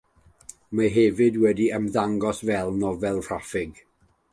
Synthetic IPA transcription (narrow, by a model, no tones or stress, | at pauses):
maɦɛvɨdwɛdiəmðaŋɡɔsvɛlˠnɔvɛlˠr̥afɪɡ